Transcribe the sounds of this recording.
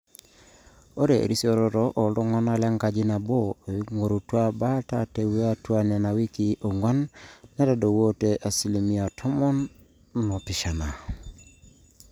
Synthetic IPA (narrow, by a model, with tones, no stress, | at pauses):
o˦ɾḛ˨ɾi˦si˦o˦˨ɾɔ˦ɾɔ˦ʔo˨lɔ˦ŋɔ˦na˦la˦ŋka˨d͡ʒi˦na˨bo˦˨˦ŋo˨ɾu˨twa˦ba˦ta˨te˨we˦a˦twa˦na˨na˨wi˦ki˦ʔo˨ŋa˦nːa˦da˨do˨wo˦te˨ʔa˨si˨le˨mi˦a˨tʰɔ˦mɔ˦nː | ɔ˨pi˨ʃa˨na˨